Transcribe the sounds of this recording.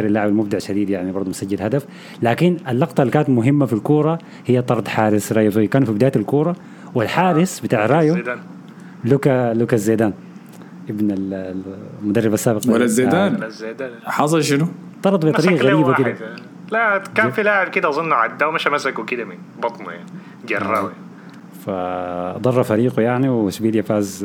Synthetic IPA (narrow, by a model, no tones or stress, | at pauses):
ɾalːaʕɪbalmʊbd̪aʕaʃːad̪iːd̪jaʕnibɑɾˤd̪umʊsad͡ʒːɪd̪had̪af | laːkɪnʔalːɑqt̪ˤɑlːikaːnat̪mʊɦɪmːafilkuːɾˤɑ | hɪjːat̪ˤɑɾˤt̪ˤħaːɾɪsɾˤɑːjufiːkaːnfibɪd̪aːjt̪alkuːɾˤɑ | wɪlħaːɾɪsbɪt̪aːʕɾˤɑːjud̪aːn | lukalʊkazːeːd̪aːn | ʔɪbnal | mʊd̪ɑrːɑbasːaːbɪqɑwalːazːeːd̪aːnzːed̪aħɑsˤɑlʃɪnʊ | t̪ˤɑɾˤd̪ˤbɪt̪ˤɑɾiːʔaɣaɾiːbakɪd̪a | lækæːnfilaːʕebkɪd̪æʔzˤonːʕad̪ːæwmaʃæmæsakwkɪd̪æmɪn | bɑt̪ˤnuja̰ʕni | d͡ʒɑrˤːa̰ːwi | fad̪ˤɑrˤːɑfaɾiːqujaʕniwɪsbiːd̪jafaːz